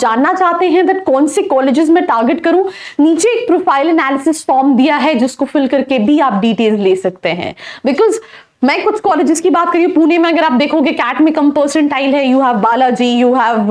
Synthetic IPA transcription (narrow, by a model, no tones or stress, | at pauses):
d͡ʒaːnːat͡ʃaːɦt̪eɦɛ̃d̪ɐt̚kɔ̃ːnsekɔːlɪd͡ʒɪzmɛ̃ʈaːɾɡɪʈkɐɾũniːt͡ʃeːk̚pɾoːfaːɪlɛnæːlɪsɪsfɔːɾmd̪ijaɦɛd͡ʒɪskofɪlkɐɾkebʱiaːp̚ɖiːʈeːlzleːsɐkt̪eɦɛ̰̃ːbɪkɔːz | mɛ̃ːkʊt͡ʃʰkɔːlɪd͡ʒɪzkibaːt̪̚kɐɾiõpuːnemẽɐɡəɾaːp̚d̪eːkʰõɡekæːʈmẽkɐmpəːɾsə̃ɳʈaːɪlɦɛjuːɦɛʋːaːlad͡ʒiːjuːɦɛʋ